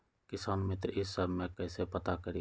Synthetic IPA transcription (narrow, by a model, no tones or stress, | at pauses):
kɪsaːnmɪt̪ɾɪsəbʱmẽːkɛːsepət̪akəɾi